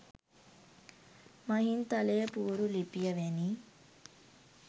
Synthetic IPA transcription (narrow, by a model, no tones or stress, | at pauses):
mɐɦint̪ɐleːpuːɾulipijɐʋeni